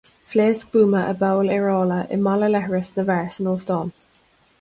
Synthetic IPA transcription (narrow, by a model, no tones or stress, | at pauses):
fleːsk̚b̥uːməʔəbəʊlɪɹɔːləʔɪ̰mɑləlɛhəɹəsnəvɛɹsənɔːfd̥ɔn